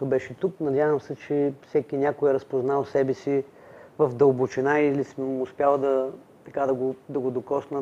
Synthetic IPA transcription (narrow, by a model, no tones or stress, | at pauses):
t̪obɛʃɛt̪uknɐd̪ʲavəmsɛt͡ʃɛfsɛkʲinʲakʊɛɾɐspoznalˠsɛbɛsi | vɐfd̪ɐlˠbʊt͡ʃinailisəmʊspʲjalˠd̪ɐ | t̪ɐkad̪ɐɡod̪ɐɡod̪okɔsnə